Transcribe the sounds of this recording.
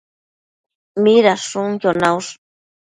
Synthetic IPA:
miɾaʂʊŋjonawʂ

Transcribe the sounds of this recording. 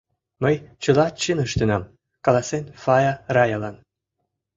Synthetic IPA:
məjt͡ɕəlɑt͡ɕənəʃt̪ənɑm | kɑlˠɑsenfɑjɑrɑjɑlɑn

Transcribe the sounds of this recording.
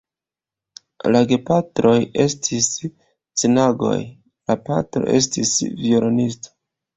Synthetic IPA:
laɡe̞patɾo̞je̞stʰis | t͡senaɡo̞̰j | lapa̰tɾo̰ʔe̞̰s̬tḭsvioɾonisto̥

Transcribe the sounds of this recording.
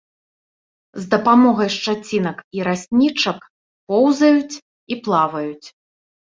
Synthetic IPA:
zd̪ɐpamɔɣɐjʂt͡ʂat͡sʲinɐkiɾasʲnʲit͡ʂɐk | pɔwzɐjut͡sʲ | iplˠavɐjut͡sʲ

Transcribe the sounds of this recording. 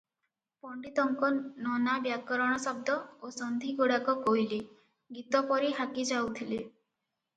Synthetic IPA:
pɔɳɖit̪ɔŋkɔnɔnabjakɔɾɔɽ̃ɔsɔb̚d̪ɔosɔnd̪ʱiɡoɽakɔkoɦili | ɡit̪ɔpɔɾiɦakid͡ʒawt̪ʰile

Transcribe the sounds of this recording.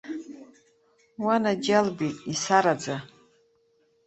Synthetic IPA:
wanad͡ʒalbitʼisaɾad͡za

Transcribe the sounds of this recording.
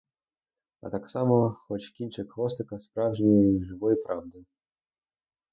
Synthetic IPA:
a̰t̪aksamɔxɔt͡ɕkʲinʲt͡ʂɛkxvɔst̪ɨkɐspɾavʐɛnʲɛʐɨvɔjpɾʔavd̪ɨ

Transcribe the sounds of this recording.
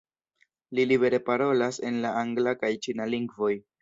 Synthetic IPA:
lilibe̞ɾe̞paɾo̞lase̞nlaaŋɡlakajt͡ʃinaliŋɡvo̞j

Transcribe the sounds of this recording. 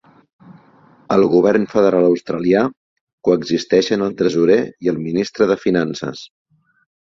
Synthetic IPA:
əlˠɣuβɛrnfəðəɾaləwst̪ɾəlia | kuəɡzist̪ɛʃənəlˠt̪ɾəzuɾeiəlˠminist̪ɾəðəfinansə̰s

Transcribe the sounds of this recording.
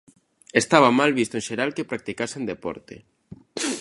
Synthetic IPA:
est̪aβamalβist̪oẽnʃeɾalkepɾak̚t̪ikasẽnd̪epɔ̰ɾt̪ḛ

